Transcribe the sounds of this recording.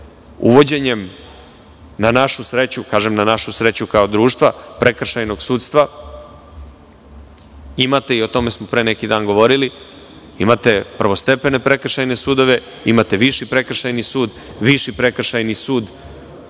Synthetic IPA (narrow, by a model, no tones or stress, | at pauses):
ṵʋo̞d͡ʑe̞ɲe̞m | nanaʃusɾet͡ɕukaːʒemnanaʃusɾe̞t͡ɕukao̞d̪ɾuːʃt̪ʋapɾʔe̞kr̩ʃajno̞ɡsuːt̪st̪ʋa | imat̪e̞io̞t̪o̞me̞smopɾe̞ːne̞kid̪aːnɡo̞ʋo̞ɾili | imat̪e̞pr̩ʋo̞st̪e̞pe̞ne̞pɾe̞kr̩ʃajne̞sud̪o̞ʋe̞ | imat̪eʋiʃipɾe̞kr̩ʃajnisuːd̪ | ʋiʃipɾe̞kr̩ʃajnisuːd̪